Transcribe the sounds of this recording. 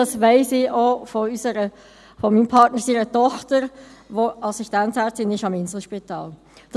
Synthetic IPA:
ɑsʋɛɪsɪofoysəɾə | fɔmiːnpʰɑɾtnəɾsiːɾətɔχtəɾʋoɑsiʃtænthæːtɪnɪʃɑmɪnzl̩ʃpitɑ̰ːl | d̥

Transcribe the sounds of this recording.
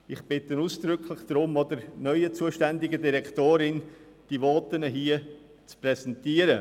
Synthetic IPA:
ɪχb̥ɪtənuːsd̪̥ɾʏkʰlɪχd̥ɾʊmɔd̪əɾnœʏət͡suːəʃtɛndɪɡədiɾɛktoːɾɪn | d̥iʋɔːt̪ənəɦiːə | t͡spɾɛsɛntiːəɾə

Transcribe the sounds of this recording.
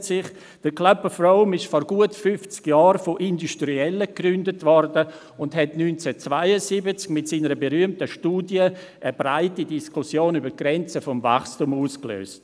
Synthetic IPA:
tsɪχ | d̥əɾklœpəfɾoʊmɪʃfɔɾɡuətfyft͡skjɑːɾfoʔinduʃtɾiɛlːəkɾʏndətvɔrdə | ʊndɦɛtnyːnt͡sɛt͡svaɪəsibət͡skmɪtsiːnəɾəbeɾyəmtəʃtuːdjə | ʔəbɾaɪtidiskusjoːnybəɡ̥ɾɛnt͡səfɔmva̰χstumuːsklø̰ːst

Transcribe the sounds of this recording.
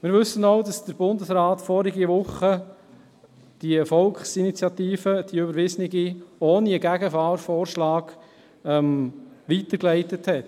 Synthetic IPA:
mɪːɾʋʏsːənoʊdɑsd̥əɾb̥ʊndəsɾɑːtfɔːɾiɡiʋʊχə | d̥iəfɔlkχsinit͡sjɑt̪iːfəd̥iybəɾʋɪznɪɡioːniəɡæɡəfɑːɾfɔːɾʃlɑːɡ̥ | ɛmʋitəɾklɛɪtəthɛt

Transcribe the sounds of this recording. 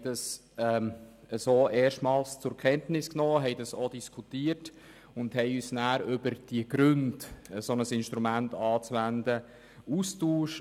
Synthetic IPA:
dɑs | ɛ | əsoːʔeːrʃtmɑːlst͡sʊɾkʰɛntnɪsknoːɦɛɪdɑsod̥iskʰutiːəɾt | ʊndhɛjyːsnæːɾʏb̥əɾd̥iəɡ̥ɾʏndsonəsɪnʃtɾumæntɑːt͡sʋændə | ustuːʃ

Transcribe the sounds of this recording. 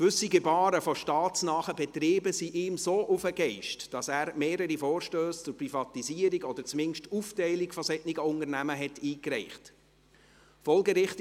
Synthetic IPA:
kʋɵsiɡɛbɑːɾəfɔʃtɑːtt͡snɑːχəbɛt̪ɾiːbəsiʔɪːmsoːʔʊfəɡɛɪʃtd̥ɑsæːɾmeːɾəɾifoːɾʃtøːst͡sʊɾprifɑtiziəɾiɡɔd̥̪əɾt͡smɪnʃtuftɛɪlikfɔsɛtniɡəʊnəɾnæməɦɛtiːkɾɛɪχt | fɔlˠɡəɾɪχt

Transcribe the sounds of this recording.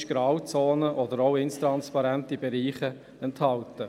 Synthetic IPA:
ʃɡ̥ɾɑːwt͡soːnəʔɔdəɾɔʊɪnst̪ɾɑnspɑɾɛntibɛɾiːχə | ɛnthɑltə

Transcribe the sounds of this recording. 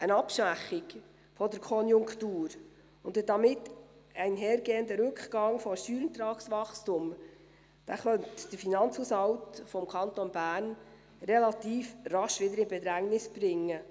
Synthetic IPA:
ʔənɑpʃʋæχːɪk | fɔdəɾkʰɔnjʊŋktuːɾ | ʊnd̪əd̥ɑmɪtæɪnɦɛːɾɡeːənd̪əɾɵkχɡ̥ɑŋfɔʃtyːɾənt̪ɾɑːksʋɑχstum | d̥æːχœntd̥əɾfinɑnt͡shushɑwtfɔmkʰɑnt̪onbæːɾn | rɛlɑt̪iːfrɑʃʋɪd̪əɾɪnbɛd̪ɾæŋnɪsb̥ɾɪŋːə

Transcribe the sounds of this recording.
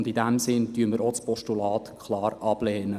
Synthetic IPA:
ndidæmsɪntyənməɾospɔʃtulɑːt̪kʰχlɑːɾʔɑb̥lɛːnə

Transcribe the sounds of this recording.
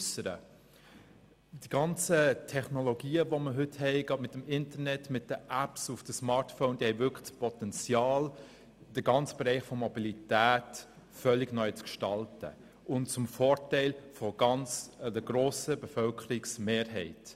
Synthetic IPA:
ysəɾə̰ | d̥iɡ̥ɑnt͡sətʰɛχnoloɡiːəvoməɦʏthɛɪɡ̥ɑmɪtːəmɪntəɾnɛtmɪt̚d̥əʔæpsufd̥əsmɑːɾtfoʊnd̥ihɛɪvʏkʰl̥pʰɔtɛnt͡sjɑːl | d̥əɡɑnt͡sb̥eɾɛɪχfɔmobilitæːt | fœlːɪɡnœʏt͡skʃtɑltə̰ | ʔʊntt͡sʊmfɔːɾtɛɪlfɔɡ̥ɑnt͡sdəɡ̥ɾoːsəbəfœlkʰəɾiksmeːɾɦɛɪt

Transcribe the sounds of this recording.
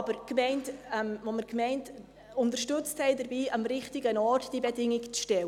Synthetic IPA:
b̥əɾkmɛɪntɛmvoməɾkmɛɪnt | ʊntərʃtʏt͡sthɛɪdəɾbiːʔɑmɾɪχtɪɡənɔɾtd̥ibɛdɪŋɪkt͡sʃtɛw

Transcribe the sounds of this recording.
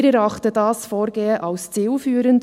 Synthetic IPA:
ɾɛɾɑχtədɑːsfoːɾɡeːəʔɑlst͡siːlfyːɾənd

